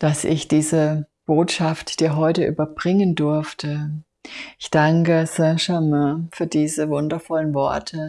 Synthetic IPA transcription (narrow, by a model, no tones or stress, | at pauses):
d̥asɪ̰çd̥iːzəb̥oːtʃaftd̥iːɐɦɔʏtəʔy̰ːbɐbʁɪŋəndʊɐftə | ʔɪçd̥aŋkəsɛ̃ʃamɛfyːɐdiːzəvʊndɐfɔlənvɔ̰ɐtʰə